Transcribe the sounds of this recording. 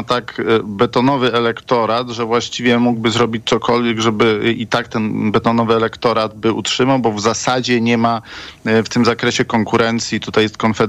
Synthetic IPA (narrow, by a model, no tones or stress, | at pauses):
t̪akbɛt̪ɔnɔvɘɛlɛkt̪ɔɾat̪ʐɛvwaɕt͡ɕivʲjɛmuɡbɘzɾɔbʲit͡ɕt̪sɔkɔlvʲjɛɡʐɛbɘʔit̪ak̚t̪ɛnbɛt̪ɔnɔvɘɛlɛkt̪ɔɾad̪̚bɘutʂɘmawbɔvzasad͡ʑɛɲɛmaft̪ɘmzakɾɛɕɛkɔŋkuɾɛnt̪sʲjit̪ut̪ajɛst̪̚kɔnfɛ